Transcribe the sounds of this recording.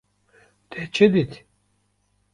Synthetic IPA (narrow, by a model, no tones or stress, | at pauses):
t̪ʰet͡ʃʰed̪it̪